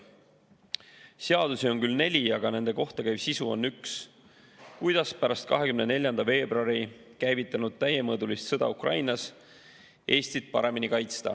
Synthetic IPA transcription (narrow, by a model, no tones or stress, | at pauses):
seɑd̪̥usio̞nkylne̞lʲiɑɡ̥ɑne̞nd̪̥e̞ko̞ht̪ɑkæjbsisuo̞̰nːyks | kujd̪̥ɑspæɾɑst̪̚kɑɦe̞kymne̞ne̞lʲjɑnd̪ɑve̞ːbɾoɑɾikæjvit̪ːˑɑnud̪̥̚t̪æjemɤːd̪ulist̪sɤd̪̥ɑ̰ukrɑ̰jnɑs | ʔe̞ːsʲt̪it̪̚pɑ̰ɾe̞minikɑjt̪st̪ɑ̰